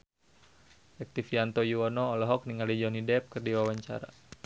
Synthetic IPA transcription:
ɛk̚t̪ifiant̪ɔjuɔnɔːlɔɦɔk̚niŋalid͡ʒɔnidɛp̚kərdiwawaɲt͡ʃa̰ɾa̰

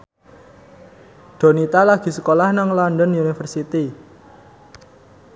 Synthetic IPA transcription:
ɖ̪̥o̤nit̪alaɡ̥i̤sə̥kolahnaŋlɔnɖənunifərsit̪i

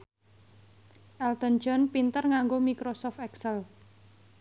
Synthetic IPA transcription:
ʔɛlt̪ɔnd͡ʒɔnpint̪ərŋaŋɡomikɾosɔft̪ɛksəl

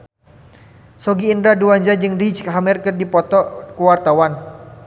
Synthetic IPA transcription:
sɔɡiːndɾaduaɲd͡ʒad͡ʒɨŋrit͡ʃkaɦamirkɨrdipɔt̪ɔkuwart̪awan

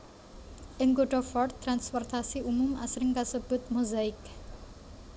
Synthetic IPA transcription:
ʔɪŋɡoɖɔfɔrt̪ːɾanspɔrt̪asiʔumumʔasɾɪŋkasəb̥ut̪̚muzaɪk

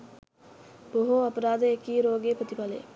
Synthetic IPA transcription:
b̥oɦoɐpɐɾaːd̪əekiːɾoːɡeːpɾət̪ipalə̰

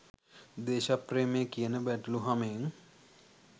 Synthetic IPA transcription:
d̪eːʃapreːmekijənəbæʈəluɦameŋ

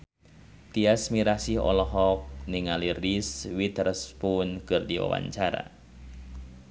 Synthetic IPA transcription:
t̪iasmiɾasiɦɔ̰lɔɦɔk̚niŋaliriswit̪ərəspunkɨrdiwa̰wa̰ɲt͡ʃaɾa̰

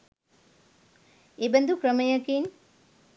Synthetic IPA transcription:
ebɛnd̪ukɾəməjɐkin

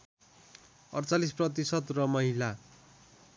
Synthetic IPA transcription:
ʌrt͡salisprʌt̪̬isʌt̪rʌmʌɦila

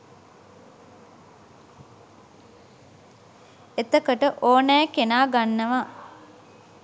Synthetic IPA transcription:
et̪əkəʈəʔoːnɛjkenaːɡanːəʋa

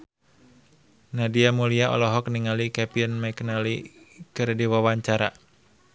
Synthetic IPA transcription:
nadiamuliaʔɔ̰lɔɦɔkniŋalikɛpiənmaknalikɨrdiwawaɲt͡ʃaɾa

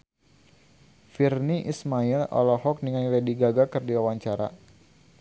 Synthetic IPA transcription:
firniʔismailɔ̰lɔhɔk̚niŋajlɛdiɡaɡakɨrdiwawaɲt͡ʃaɾa

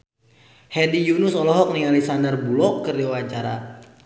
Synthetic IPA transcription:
hɛndijunʊsɔlɔɦɔk̚niŋalisandərbulɔkːəriwat͡ʃaɾa̰

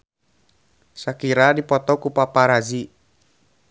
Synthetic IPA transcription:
sakiɾadipɔt̪ɔkupapaɾad͡ʒi

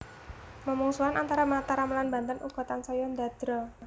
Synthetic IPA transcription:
məmuŋsuanʔant̪aɾamat̪aɾaməlanba̤nt̪ənṵɡ̥ɔ̤t̪ansajɔnd̪a̤d̪̥ɾɔ

